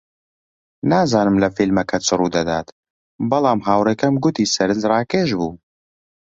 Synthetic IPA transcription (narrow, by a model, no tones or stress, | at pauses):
naːzaːnɨmlɐfilmɐkʰɐt͡sʰɨruːd̪ɐd̪a̰ːt̪ | bɐlˠaːmɦaːwreːkɐmɡʊt̪iːsɐɾɨnzrɑːkeːʃbuː